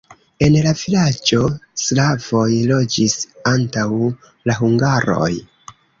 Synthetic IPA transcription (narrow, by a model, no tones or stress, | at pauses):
e̞nlavilad͡ʒo̞slavo̞jlo̞d͡ʒisantaw | laɦuŋɡaɾo̞̰j